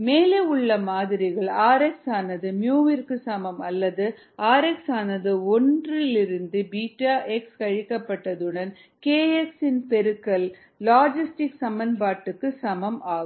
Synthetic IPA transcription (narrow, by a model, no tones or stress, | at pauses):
meːleːʊɭːɐmaːðɪɾɪɣɐɭaːɾɛksaːnɐðɯmjuːʋɪɾkɯsɐmɐmɐlːɐðɯ | aːɾɛksaːnɐðɯɔndrɪlɪɾɯnd̪ɯbiːʈːaːʔɛkskɐɻɪkːɐpːɐʈːɐðɯɽɐn | keːɛksɪnpɛɾɯkːɐlː | aːd͡ʒɪsʈɪksɐmɐnbaːʈːɯkːɯsɐmɐmaːɣ